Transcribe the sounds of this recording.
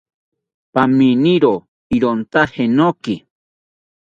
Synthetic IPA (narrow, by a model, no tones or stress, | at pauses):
paminiɾo | iɾont̪ahenoki